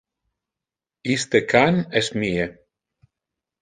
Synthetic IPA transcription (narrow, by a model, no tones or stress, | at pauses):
ist̪ekʰanesmie